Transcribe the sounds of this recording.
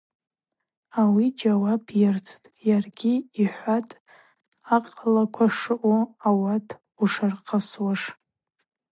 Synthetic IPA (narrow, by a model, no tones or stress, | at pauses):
awid͡ʒawabjɪrt͡sʰtʼjarɡʲiːħʷatʼ | aqʼalakʷʰaʂɨʔoawatʰ | uʂarqʼʰaswaʂ